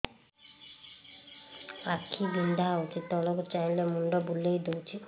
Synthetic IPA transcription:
akʰibind̪aawt͡ʃʰit̪ɔlɔkut͡ʃajnlemuɳɖɔbulejd̪owt͡ʃʰi

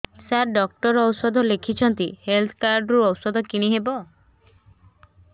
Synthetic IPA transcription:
saɾɖɔk̚ʈɔɾɔɔwsɔd̪ʱɔlekʰit͡ʃʰɔnt̪ihelt̪ʰɔkaɾɖɔɾuɔwsɔd̪ʱɔkiɽ̃iɦebɔ

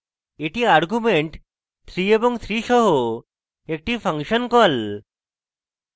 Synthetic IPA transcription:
eʈiaɾɡumeɳʈ | t̪ʰɾiebɔŋt̪ʰɾiʃɔɦo | ek̚ʈifʰəŋkʃənkɔl

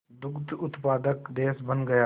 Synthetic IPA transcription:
d̪ʊɡd̪ʊt̪paːd̪əkd̪eːsbɐnɡɐjaː

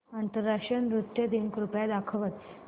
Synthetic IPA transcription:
ant̪əɾːaʂʈjənɾut̪ːjəd̪inkɾupjad̪akʰəʋət͡s

